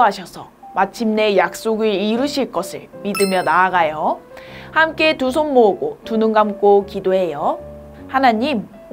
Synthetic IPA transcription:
ɦaɕʰʌsʰʌ̰ | mat͡ɕʰimne̞jak̚s͈oɡiiɾɯɕʰiɭk͈ʌsʰɯ̰ɭmidɯmjʌnaːɡajo | hamk͈e̞tus̬ʰonmoːɡotunɯŋɡamk͈okidoɦe̞jo | hanaɲim

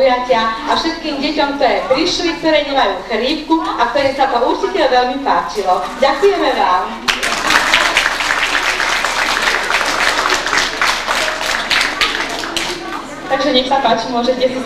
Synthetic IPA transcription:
jacɪaafʃɛt̪̚kiːmɟɛcɔmk̚t̪ɔjɛpɾiʃlik̚t̪ɔɾɛːɲɛmajuːxɾiːp̚kuak̚t̪ɔɾɛːsat̪ɔuɾt͡ʃicɛʋɛlmipaːt͡ʃilɔ | ɟakujɛmɛʋaːm | t̪aɡʒɛɲɛxsapaːt͡ʃimʊɔʒɛcɛsi

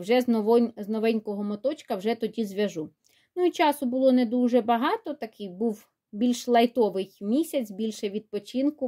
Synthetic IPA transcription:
wʒɛnɔʋɔnʲznɔʋɛnʲkɔɦɔmɔt̪ɔt͡ʃkɐwʒɛt̪ɔdʲizʋʲɐʒu | nʊit͡ʃɑsʊbʊlˠɔnɛd̪uʒɛbɐɦɑt̪ɔt̪ɐkɪjbuw | bʲilʲʃlˠɐjt̪ɔʋɪjmʲisʲɐt͡sʲbʲilʲʃɛʋʲid̪̚pɔt͡ʃinkʊ

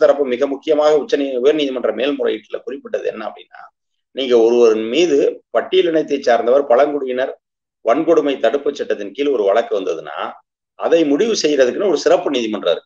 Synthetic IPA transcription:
t̪ɐɾɐpːɯmɪɣɐmʊkːɪjɐmaːɣɐʊt͡ʃːɐniʊjɐɾniːðimɐndrɐmeːlmʊrɐ̰jɪʈːɪlɐ̰kʊrɪpːɪʈːɐðɯɛ̰nːɐɐ̰pːɐɽɪnːa̰ː | niːŋɡɐɔɾɯʋɐɾɯnmiːðɯpɐʈːɪjɪlɪɳɐɪt̪ːɐɪt͡ʃːaːɾnd̪ɐʋɐɾpɐɭɐŋkɔɽɯjɪnɐɾ | ʋɐnkɔɽɯmɐɪt̪ɐɽɯpːɯt͡ʃːɛʈːɐt̪ːɪnkiːlɔɾɯʋɐɭɐkːɯʋɐnd̪ɐðɯna̰ː | ɐðɐɪmʊɽɪʋɯsɛjːɪɾɐðɯkːɯnɯɔɾɯsɪrɐpːɯniːðimɐndrɐ̰ɾɯkː

